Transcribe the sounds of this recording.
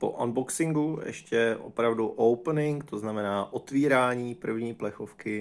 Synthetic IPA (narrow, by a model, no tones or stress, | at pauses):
po̞̰ʔanboksɪŋɡujɛ̰ʃcɛʔo̰pɾavduʔowpnɪŋkt̪oznamɛnaːʔo̞t̪viːɾaːɲiːpr̩vɲiːplɛxo̞fkɪ